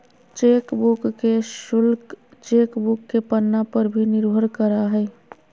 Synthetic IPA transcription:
t͡ʃekbukkeʃʊlkt͡ʃekbʊkːepənːapəɾbʱinɪɾbʱəɾkəɾaɦɛ

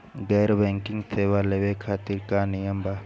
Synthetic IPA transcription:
ɡeːɾbẽŋkĩŋɡsʰeːʋaleʋekʰaːt̪iɾkanijəmba

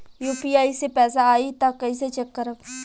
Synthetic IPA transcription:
juːpiaːisepɛːsaaːit̪ɐkːɐiset͡ʃəkːəɾəb

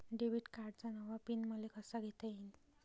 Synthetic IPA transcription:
ɖebiʈkaɾɖt͡sanawʋapinməlekəsaɡʱet̪əin

